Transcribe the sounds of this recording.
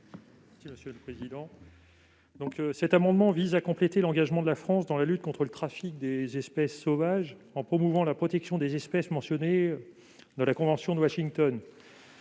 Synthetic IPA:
mɛsiməsjøləpχezid̪ɑ̃ | d̪ɔ̃ksɛt̪amɑ̃d̪mɑ̃vizakɔ̃plet̪elɑ̃ɡaʒmɑ̃d̪əlafχɑ̃sd̪ɑ̃lalyt̪̚kɔ̃t̪χələt̪χafik̚d̪ezɛspɛsːovaʒ | ɑ̃pχɔmuvɑ̃lapχɔt̪ɛksjɔ̃d̪ezɛspɛsmɑ̃sjɔne | d̪ɑ̃lakɔ̃vɑ̃sjɔ̃d̪əwaʃiŋt̪ɔn

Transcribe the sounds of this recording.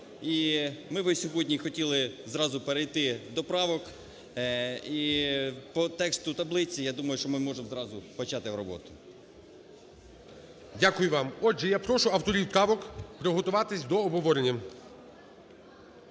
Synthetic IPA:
imɪʋɪsʲɔɦɔdʲnʲixɔtʲilˠɪzɾɑzʊpeɾejt̪ɪd̪ɔpɾɑʋɔk | ipɔt̪ɛkst̪ʊt̪ɐblˠɪt͡sʲijad̪umɐjʊʃt͡ʃɔmɪmɔʒemzɾɑzʊpɔt͡ʃɑt̪ɪwɾɔbɔ̰t̪ʊ̥ | dʲakʊjʊʋɑmɔd͡ʒʒɛjapɾɔʃʊɐwt̪ɔɾʲiwpɾɑʋɔkpɾɔɦɔt̪ʊʋɑt̪ɪsʲd̪ɔɔbɦɔʋɔɾenʲːɐ

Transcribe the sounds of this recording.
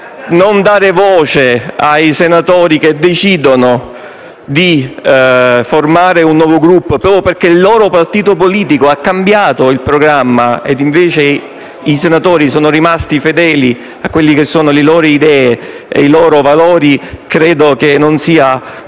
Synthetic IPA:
nond̪aːɾevɔːt͡ʃeajsenat̪oːɾik̟ed̪ːet͡ʃiːd̪ono | d̪i | formaːɾeunːwɔːvoɡɾupːpɔperkeilːɔːɾopart̪iːt̪opoliːt̪ikoakːambjaːt̪oilpɾoɡɾamːaḛd̪iɱveːt͡ʃe | isenat̪oːɾisoːnorimast̪ifed̪ɛːli | akːwelːikesːoːnolelɔːɾoid̪ɛːe | ḛilɔːɾovalɔːɾikɾɛːd̪okenːonsiːa

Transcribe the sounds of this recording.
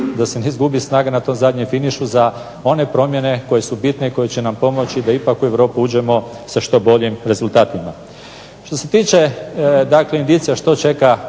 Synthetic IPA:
d̪ase̞neizɡubisnaːɡanat̪o̞ːmzad̪ɲemfiniʃuza | o̞ne̞pɾo̞mje̞ne̞ko̞je̞subit̪ne̞iko̞jet͡ɕenampo̞mo̞t͡ʃid̪aipakue̞ʋɾo̞ːpiuːd͡ʒe̞mo̞ | saʃt̪o̞bo̞ʎimɾe̞zulˠt̪aːt̪ima | ʃt̪o̞se̞t̪iːt͡ʃe̞d̪akleind̪iːt̪sijaʃt̪o̞t͡ʃe̞ka

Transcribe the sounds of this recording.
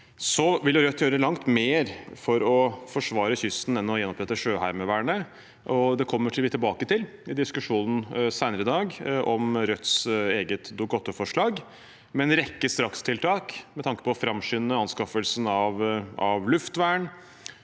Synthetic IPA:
sɔʋɪljʊɾœt̪ʰːjøːɾəlɑŋt̪meːɾfɔɾɔfɔʂʋɑːɾəçʏst̪n̩ɛnːɔjɛnːɔpɾɛt̪ːəʂøːhæɪɾməʋæːɳə | ʔɔd̪ɛkʰɔmːəʈʰɪlʋɪt̪ʰɪlbɑːkət̪ɪlɪd̪ɪskʉʂuːnn̩sæɪnəɾɪd̪ɑːɡʔɔmɾœt̪ːseːɡət̪d̪ʊɡɑt̪ːʊfɔʂɭɑːɡ | mɛnɾɛkːəst̪ɾɑkst̪ʰɪlt̪ʰɑːkmɛt̪ʰɑŋkə̥pʰɔfɾɑmːʂʏnːəɑnskɑfəlsn̩ɑʋɑʋlʉft̪ʋæːəɳ

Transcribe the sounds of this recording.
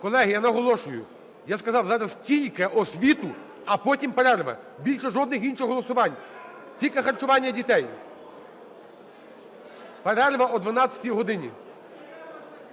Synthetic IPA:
kɔlˠɛɦɪjanɐɦɔlˠɔʃʊjʊ̰ | jaskɐzɑwzɑɾɐstʲilʲkɪʔɔsʲʋʲit̪ʊ | ɐpɔtʲimpeɾɛrʋɐ̰ | bʲilʲʃɛʒɔd̪nɪxinʃɪxɦɔlˠɔsʊʋɑnʲ | tʲilʲkexɐrt͡ʃʊʋɑnʲːɐdʲit̪ɛj | peɾɛrʋɐɔd̪ʋɐnɑt͡sʲɐ̥tʲijɦɔd̪ɪnʲḭ

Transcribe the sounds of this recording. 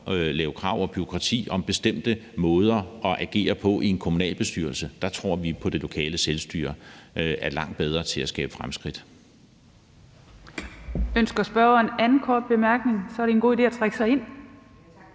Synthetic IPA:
lɛːʊkʰʁɑ̈ʊ̰ɒ̽b̥yʁo̝kʰʁɑ̈t͡sʰḭːɒ̽mb̥e̝sd̥em̰d̥əmɔ̽ːðˠɐɒ̽ʔæɡ̥e̝̰ːɐpʰɒ̽ʔie̝nkʰomunɛ̰ːlb̥e̝sd̥yɐlsəd̥ɑ̈t͡sʰʁo̝ɐ̰ʋipʰɒ̽d̥e̝lo̝kʰɛ̰ːləselsd̥y̰ːɐæɐlɑ̈ŋ̰d̥̚b̥eð̞ˠʁɐt͡sʰe̝læsɡ̥ɛ̰ːb̥ə̥fʁamsɡ̥ʁid̥ | ønsɡ̥ɐsb̥ɶɐenænð̩kʰɒːd̥̚b̥e̝mæɐɡ̥ne̝ŋsɒ̽ɐɾe̝enɡo̝̰ːide̝̰ːæt͡sʰʁaɡ̥sɑ̈ɪe̝n̰

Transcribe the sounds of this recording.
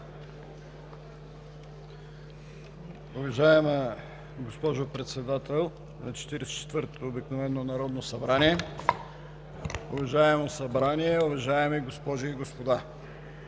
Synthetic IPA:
ʊvɐʒaɛmə | ɡospɔʒopɾɛt̪sɛd̪at̪ɛlˠ | nɐt͡ʃɛ̥t̪iɾɛsɛ̥t͡ʃɛ̥t̪vɤɾt̪oːbiknovɛnːonɐɾɔd̪nosɐbɾaniɛ | ʊvɐʒaɛmosɐbɾaniɛʊvɐʒaɛmiɡospɔʒiːɡospod̪a

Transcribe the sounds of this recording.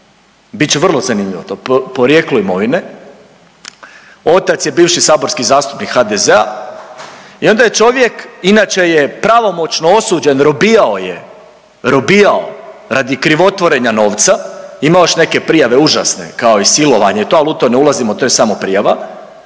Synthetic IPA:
bitt͡ɕeʋr̩lˠozanimʎʲiʋo̰t̪oppoɾje̞ːkluimo̞ʋine̞ | o̞t̪at̪sje̞biːʋʃisaːbo̞ɾskizaːst̪u̥pnikxad̪ezea̰ | io̞nd̪aje̞t͡ʃo̞ʋje̞kinaːt͡ʃe̞jepɾaʋo̞mo̞t͡ʃnoo̞suːd͡ʑe̞nɾo̞bijao̞jḛ | ɾo̞bijaoɾad̪ikɾiʋo̞t̪ʋo̞ɾe̞ɲano̞ːʋt̪saimaoʃne̞ke̞pɾijaʋe̞uʒa̰sne̞̰kao̞isilo̞ʋaɲe̞it̪oalut̪oneulˠazimot̪o̞jsamo̞pɾijaʋa

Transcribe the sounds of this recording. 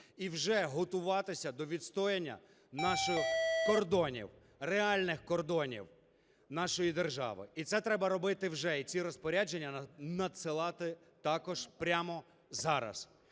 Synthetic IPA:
iwʒɛɦɔt̪ʊʋɑt̪ɪsʲɐd̪ɔʋʲid̪st̪ɔjenʲːɐ̰ | nɑʃɪxkɔrd̪ɔnʲḭw | reɑlʲnɪxkɔrd̪ɔnʲḭw | nɑʃɔjid̪erʒɑ̰ʋɪ̰it̪sɛt̪ɾɛbɐɾɔbɪt̪ɪwʒɛit̪t͡sʲiɾɔspɔɾʲad͡ʒe̞nʲːɐnɐd̪sɪlˠɑt̪ɪ | t̪ɑkɔʒ̥pɾʲamɔ | zɑɾɐ̰s

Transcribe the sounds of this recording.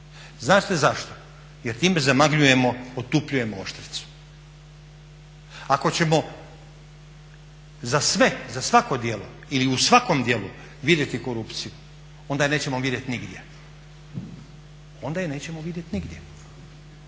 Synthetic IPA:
znaːʃt̪ezaʃt̪o | jeɾt̪iːmezamaɡʎuje̞mo̞ot̪upʎuje̞moo̰ʃt̪ɾi̥t̪su̥ | ako̞t͡ɕe̞mo̞ | zasʋe̞zasʋako̞d̪jelo̰ | iliusʋako̞md̪jelu | ʋid̪jet̪iko̞ɾupt̪siju | o̞nd̪ajne̞ːt͡ɕe̞moʋid̪jet̪niɡd̪je̞̰ | o̞nd̪ajene̞ːt͡ɕe̞moʋid̪jet̪niɡd̪ʲje̞

